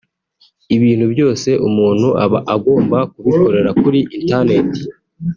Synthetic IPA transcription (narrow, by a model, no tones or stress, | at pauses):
iβiːn̥hubjo̞ːse̞ʔumuːn̥huʔaβaʔaɡo̞ːmbakuβiko̞ɾe̞ɾakuɾiʔintaneti̥